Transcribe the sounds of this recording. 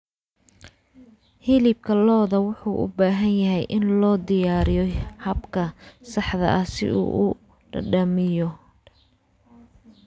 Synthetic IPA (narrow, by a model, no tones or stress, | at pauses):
hɪlɪb̚kʰɐlɔːðɐwʊħuːʔʊ̰baːɦɐnjɐɦɛjʔɪnlɔːd̪ɪjaːɾɪjɔhɐbkʰɐsɑħðɐ̰ʔɐsɪ̰ʔṵːʔʊ | ɖɐ̰ɖɐmɪjɔ